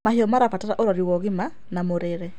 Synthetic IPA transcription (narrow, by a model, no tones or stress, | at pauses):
mahiɔmaɾafataɾaʔoɾaɾiwɔɣima | namoɾeɾɛ